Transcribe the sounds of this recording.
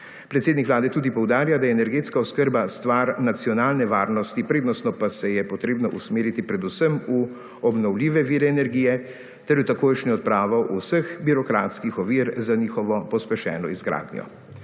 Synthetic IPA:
pɾɛt̪seːd̪nikʋlaːd̪ɛt̪uːd̪ipɔwd̪aːɾjad̪ajɛːnɛɾɡeːt̪skaɔskəɾbast̪ʋaːɾnat̪siɔnaːlnɛʋaːɾnɔst̪ipɾeːd̪nɔst̪nɔpasɛjɛpɔt̪ɾeːbnɔʔusmeːɾit̪ipɾɛd̪usəmu | ɔbnɔwliːʋɛʋiːɾɛːnɛɾɡijɛ | t̪ɛɾjɔt̪akoːjʃniɔt̪̚pɾaːʋɐwʔusəxbiɾɔkɾaːt̪skixɔʋiːɾzaniːxɔʋɔpɔspɛʃɛ̰ːnɔizɡɾa̰ːd̪njɔ̰

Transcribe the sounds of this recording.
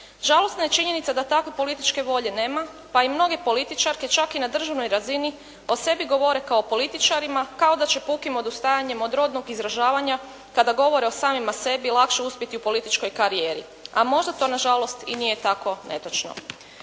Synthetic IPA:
ʒalˠo̞st̪naje̞t͡ʃiɲe̞nit̪sad̪at̪akʋepo̞lit̪it͡ʃke̞ʋo̞ʎe̞ne̞ːma | paimno̞ɡe̞po̞lit̪it͡ʃaɾke̞t͡ʃakinad̪r̩ʒaʋno̞jɾazini | o̞se̞biɡo̞ʋo̞ɾe̞kaopo̞lit̪it͡ʃaɾimakao̞d̪at͡ɕe̞pukimo̞d̪ust̪ajaɲe̞mod̪ɾo̞d̪no̞ɡizɾaʒaːʋaɲa | kad̪aɡo̞ʋo̞ɾe̞o̞saːmimase̞bilˠakʃe̞uspʲjet̪iupo̞lit̪it͡ʃko̞jkaɾije̞ːɾḭ | a̰mo̞ʒd̪at̪o̞ːnaʒalo̞st̪inije̞t̪ako̞ne̞̰t̪ot͡ʃno̰

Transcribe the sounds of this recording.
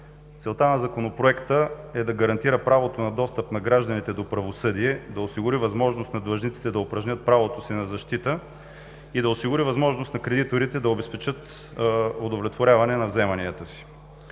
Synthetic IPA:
t̪sɛlˠt̪anɐzɐkonopɾoɛkt̪əɛd̪ɐɡɐɾɐnt̪iɾəpɾavot̪onɐd̪ɔst̪əpnɐɡɾaʒd̪ənit̪ɛd̪opɾɐvosɤd̪iɛd̪ɐosiɡʊɾivɐzmɔʒnost̪nɐd̪vɐʒnit̪si̥t̪ɛd̪ɐopɾɐʒnʲət̪̚pɾavot̪osinɐzɐʃt̪it̪ə | id̪ɐosiɡʊɾivɐzmɔʒnost̪nɐkɾɛd̪it̪oɾit̪ɛd̪ɐobɛspɛt͡ʃɤt̪ | od̪ovlɛt̪voɾʲavɐnɛnɐvzɛmɐniət̪əsi̥

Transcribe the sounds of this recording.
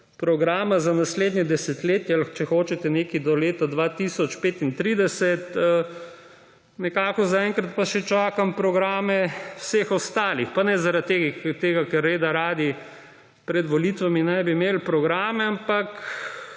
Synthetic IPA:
pɾɔɡɾaːmazanasleːd̪nɲɛd̪ɛsɛt̪leːt̪jɛlxt͡ʃɛxoːt͡ʃɛt̪ɛneːkid̪ɔleːt̪ad̪ʋat̪isɔt͡ʃpeːt̪int̪ɾiːd̪ɛsɛt̪ə | nɛkaːkɔzaɛŋkɾat̪̚paʃɛt͡ʃaːkampɾɔɡɾaːmɛwsexɔst̪aːlixpanɛzaɾat̪̚t̪ːeːɡt̪eːɡakɛɾːeːd̪aɾaːd̪i | pɾɛd̪ʋɔlit̪ʋaminajbimeːlpɾɔɡɾaːmɛampak

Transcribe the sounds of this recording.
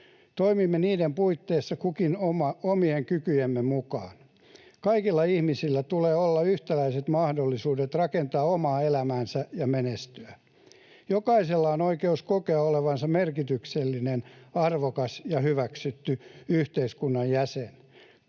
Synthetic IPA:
t̪oimimːeniːdempuit̪ːeːsːɑkukinomɑomieŋkykyjemːemukɑ̰ːn | kɑikilːɑihmisilːæt̪uleːolːɑyht̪ælæiset̪mɑhdolːisuːdet̪rɑkent̪ɑːomɑːelæmæːnsæjɑmenest̪yæ | jokɑiselːɑonoikeuskokeɑoleʋɑnsɑmerkit̪ykselːinenɑrʋokɑsjɑhyʋæksyt̪ːyyht̪eiskunːɑjjæsen

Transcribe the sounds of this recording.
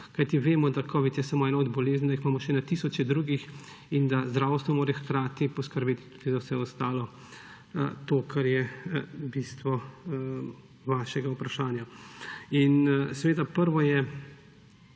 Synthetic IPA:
kajt̪iʋeːmɔd̪akʰɔːʋit̪jɛsaːmoɛːnaɔd̪bɔleːznd̪aixmaːmɔʃɛnat̪isɔt͡ʃɛd̪ɾuːɡix | ind̪azd̪ɾaːwst̪ʋɔmoːɾɛxkɾaːt̪ipɔskəɾbeːt̪t̪u̥d̪̥izawsɛɔst̪aːlɔ | t̪oːkʰaɾjɛbist̪ʋɔ | ʋaːʃɛɡaupɾaʃaːnja | insɛʋeːd̪apəɾʋɔjɛ

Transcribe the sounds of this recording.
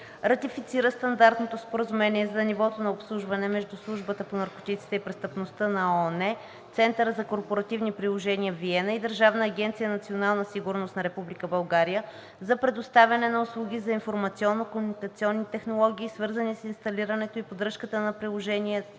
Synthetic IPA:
ɾɐt̪ifit̪siɾəst̪ɐnd̪aɾt̪not̪ospoɾəzumɛniɛzɐnivɔt̪onɐopslˠuʒvɐnɛmɛʒd̪uslˠuʒbət̪əponɐɾko̥t̪it̪si̥t̪ɛipɾɛst̪əpnost̪ənɐɔnɛ | t̪sɛnt̪əɾəzɐkoɾpoɾɐt̪ivnipɾilˠoʒɛniəviɛnəid̪əɾʒavnəːɡʲɛnt̪sijənɐt̪sionalˠnəsiɡuɾnost̪nɐɾɛpublikəbɐlˠɡaɾijə | zɐpɾɛd̪ost̪avʲɐnɛnɐʊslˠuɡ̟ʲizɐinfoɾmɐt̪siɔnːokomunikɐt̪siɔnːit̪ɛxnolˠɔɡ̟ʲiːsvɤɾzənisinst̪ɐliɾənɛt̪oipod̪ɾəʃkət̪ənɐpɾilˠoʒɛniɛ

